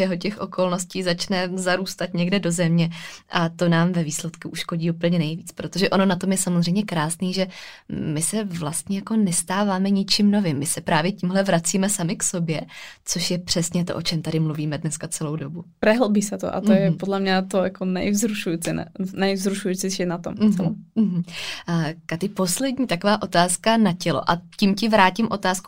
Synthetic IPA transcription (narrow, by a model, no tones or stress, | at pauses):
ɛɦo̞cɛxʔo̞ko̞lno̞sciːzat͡ʃnɛzaɾuːst̪at̪ɲɛɡdɛdo̞zɛmɲɛʔat̪o̞naːmvɛviːslɛt̪kuʔuʃko̞ɟiːupl̩ɲɛnɛjviːt͡spɾot̪oʒɛʔo̞no̞nat̪o̞mjɛsamozrɛjmɲɛkɾaːsniːʒɛ | mɪsɛvlast̪ɲɛjako̞nɛst̪aːvaːmɛɲɪt͡ʃimno̞vɪmːɪsɛpɾaːvjɛciːmɦlɛvɾat͡siːmɛsamɪkso̞bjɛt͡so̞ʃjɛpr̥ɛsɲɛt̪o̞ʔo̞t͡ʃɛmt̪adɪmluviːmɛdnɛskat͡sɛlo̞wdobupɾɛɦlbiːsɛt̪o̰ʔa̰t̪ojɛpodlɛmɲɛt̪ojakonɛ̰jvzɾuʃujit͡sɪnɛ̰nɛjvzɾuʃujit͡sɛʃinat̪omt͡sɛlɦ̩ | kat̪ɪpo̞slɛdɲiːt̪ako̞vaːʔo̞t̪aːskanacɛlo̞̰ʔacimcɪvɾaːcɪmʔo̞t̪aːsku̥